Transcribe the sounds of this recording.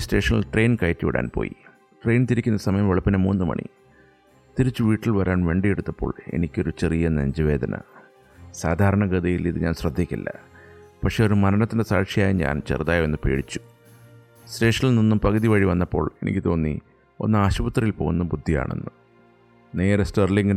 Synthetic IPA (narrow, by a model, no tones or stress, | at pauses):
ste̞ːʂɐnɐ̰lʈre̞jnkɐjtːiʋḭɽa̰ːnpo̰ːjḭ | ʈre̞jnt̪iɾikʲːunːɐsɐmɐjɐmʋeɭɐpːinemuːnːumɐ̰ɳḭ | t̪iɾit͡ɕːuʋiːʈːilʋɐɾʔaːnʋe̞ːɳɖijeɽut̪ːɐpːo̞̰ːɭe̞̰nikʲːo̞ɾut͡ɕerijɐnḛɲd͡ʑɐʋe̞ːd̪ʱɐnʔɐ̰ | saːd̪ʱaːɾɐɳɐɡɐd̪ɐjiliðɨɲa̰ːnsrɐd̪ʱːikʲːḭlːɐpɐkʂe̞ːoɾumɐɾɐnɐt̪ːindesaːkʂijaːjiɲa̰ːnt͡ɕḛrðaːje̞nːɨpe̞̰ːɽit͡ɕːu̥ | sɾe̞ːʂɐnilninːumpɐɡɐðiʋɐɻiʋɐnːɐpːo̞̰ːɭe̞nʔḭkʲːɨt̪o̞ːnːḭ | o̞̰nːɨaːɕubɐt̪rɐjilpo̞ːɣunːubud̪ʱːija̰ːɳḛnːu | ne̞ːɾɐstɐrliŋɡ